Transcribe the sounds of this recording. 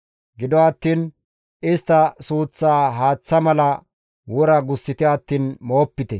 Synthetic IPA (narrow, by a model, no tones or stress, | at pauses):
ɡɪd̪ɔɐt̪ːiːn | ɪst̪ːɐsuːt͡sːaːɦaːt͡sːɐmɐlɐ | wɔɾɐɡʊsːɪt̪ɪɐt̪ːiːnmo̞ːpːɪt̪ɛ